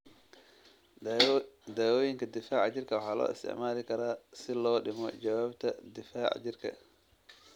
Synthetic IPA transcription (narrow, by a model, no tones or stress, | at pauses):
d̪aːwɔːjɪŋkʰɐd̪ɪfaːʕt͡ʃɪrkʰɐwɑħɑːlɔ̰ːɪ̰st̪ʰɪ̰ʕmaːlɪkʰɐɾaːsɪlɔːɖɪmɔt͡ʃɐwaːbt̪ʰɐd̪ɪfaːʕt͡ʃɪrkʰɐ̰